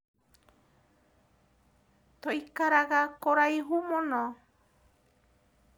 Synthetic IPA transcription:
t̪ojkaɾaɡakɔɾajɦumɔnɔ

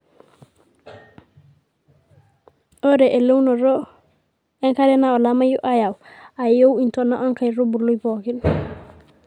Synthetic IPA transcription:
ʔɔɾɛʔɛlownɔɾɔ | ɛŋkaɾɛnaɔlamajuʔajawajowintɔnːaʔɔnkajɾobulujpɔkin

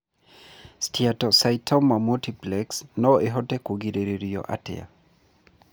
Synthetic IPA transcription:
stiatɔsajtʰɔmamutiplɛksnɔeɦɔtɛkoɡiɾeɾeɾiɔ̰ʔa̰tɛ̰a̰

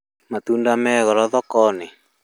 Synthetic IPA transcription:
mat̪undamɛɣɔɾɔðɔkɔne

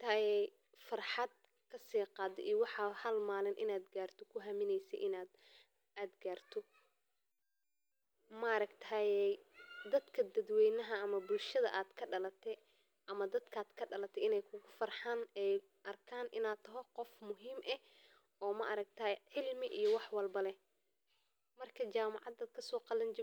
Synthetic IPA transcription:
t̪ʰajɛj | fɑrħɑd̪̚ | kʰɐsiːqɑːd̪ɛ̰ʔijɔwɑħɑhɐlmaːlɪnʔɪ̰naːd̪ɡaːrt̪ʰɔkʰʊɦɐmɪnɛjsɛ̰jʔɪnaːd̪ | aːd̪ɡaːrt̪ʰɔ | mɐɐɾɐkt̪ʰaːjɛjd̪ɐd̪kʰɐd̪ɐd̪wɛjnɐɦɐːmɐbʊlʃɐðɐ̰ʔaːd̪kʰɐɖɐlɐt̪ʰɛ | ʔɐmɐd̪ɐd̪kʰaːd̪kʰɐɖɐlɐt̪ʰɛɪnɛjkʰʊɣʊfɐrħanɛj | ʔɐrkʰaːnʔɪ̰naːt̪ʰɐɦɔqɔfmʊɦiːmʔɛh | ɔːmɐʔɾɐk̚t̪ʰɐjʕɪlmɪʔijɔwɑħwɑlbɐlɛ | mɐrkʰɐt͡ʃaːmɑʕɑd̪ɐkʰɐsɔːqɑlɐnt͡ʃɪ

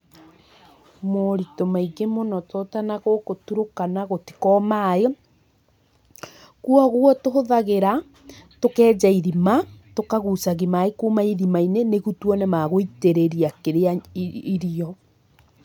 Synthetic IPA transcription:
moɾitɔmaiɡemonɔtʰɔtanaɣokotuɾokanaɣoti̥kɔmae | kuɔɣuɔtoɦoðaɣeɾa | tokɛːd͡ʒaiðimatokaɣusaɣimaekumaiðimaineneɣutwɔnɛmaɣoiteɾeɾiakeɾeaiɾiɔ

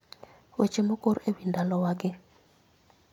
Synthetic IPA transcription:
wet͡ʃemokoɾewindalɔwaɡɪ

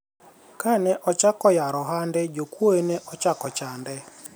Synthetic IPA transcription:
kanɛʔɔt͡ʃakɔjaɾɔɦandɛd͡ʒokwoenɛʔɔt͡ʃakɔt͡ʃandɛ

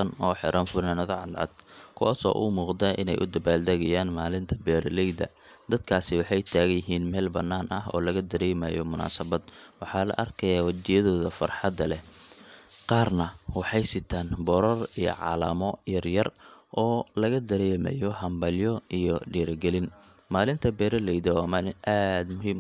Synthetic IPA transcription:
ɐnɔːħɪɾʔɐnfʊnɐnɐðɐʕɑd̪ʕɑ̰d̪̥kʰʊwsɔ̰ːʔʊ̰muːqd̪aʔɪ̰nɛ̰jʔʊd̪ɐbaːld̪ɐɣɐjaːnmaːlɪnt̪ʰɐbɛːɾlɛjd̪ɐ̰ | d̪ɐd̪̚kʰaːsɪwɑħɑjt̪ʰaːɣɐjɪɦiːnmɛːlbɐnːaːnʔɐɦɔ̰ːlɐɣɐd̪ɐɾɛːmɐjɔmʊna̰ːsɐβɐd̪wɑħɑːlɐ̰ʔɐrkʰɐjaːwɐt͡ʃɪjɐðɔːðɐfɐrħɑd̪ɐlɛ | qɑːrnɐwɑħɑjsɪt̪ʰaːnbɔɾɔrijɔ̰ʕɑ̰ːlɐ̰mɔjɐrjɐrʔɔːlɐɣɐd̪ɐɾɛjmɐ̰jɔhɐmbɐljɔijɔɖiːɾɐɡɛlɪnmaːlɪnt̪ʰɐbɛːɾɐlɛjðɐwaːmaːlɪnʔaːd̪mʊɦiːm

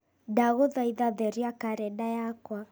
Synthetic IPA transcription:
daɣoðaiðaðɛɾiakaɾɛdajakwa

